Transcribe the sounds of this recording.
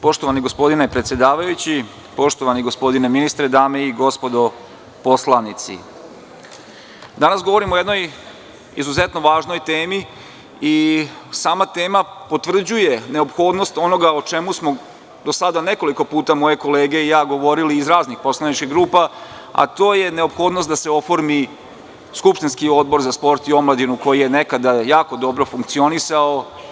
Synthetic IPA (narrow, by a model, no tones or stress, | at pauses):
po̞ʃt̪o̞ʋaniɡo̞spo̞d̪inepɾet̪sjed̪aːʋajut͡ɕi | po̞ʃt̪oʋaniɡospo̞d̪ine̞minist̪ɾe̞d̪aːme̞iɡo̞spo̞d̪o̞ | po̞slˠanit̪sḭ | d̪anasɡo̞ʋo̞ɾimojed̪noj | ḭzuze̞t̪no̞ʋaːʒno̞jt̪e̞ːmi | isaːmat̪e̞ːmapo̞t̪ʋr̩d͡ʑuje̞ne̞o̞pxo̞ːd̪no̞st̪o̞no̞ɡaot͡ʃe̞musmo̞ | d̪o̞sad̪ane̞ko̞liko̞puːt̪amo̞je̞ko̞le̞ːɡe̞ijaːɡo̞ʋo̞ɾiliːzɾaːznixpo̞slˠanit͡ʃkiɦɡɾuːpa | a̰t̪o̞ːje̞ne̞o̞pxo̞ːd̪nost̪d̪ase̞o̞fo̞ɾmi | skupʃt̪inskio̞d̪̚bo̞ɾzaspo̞ɾt̪io̞mlˠad̪inuko̞jije̞ne̞kad̪ajaːko̞d̪o̞bɾo̞fuŋkt̪sio̞nisao